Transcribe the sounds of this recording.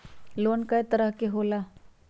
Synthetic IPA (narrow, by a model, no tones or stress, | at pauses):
loːnkɐjt̪əɾəɦkeɦoːla